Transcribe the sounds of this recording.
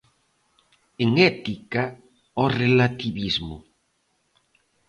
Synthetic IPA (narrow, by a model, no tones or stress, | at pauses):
eŋɛt̪ika | ɔrelat̪iβizmʊ̰